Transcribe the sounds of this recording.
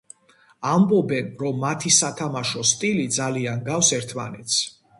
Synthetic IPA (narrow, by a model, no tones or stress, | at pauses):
ambɔbɛnɾɔmːat̪ʰisat̪ʰamaʃɔst̪ʼilid̪zalianɡafsɛɾt̪ʰma̰nɛt̪sʰ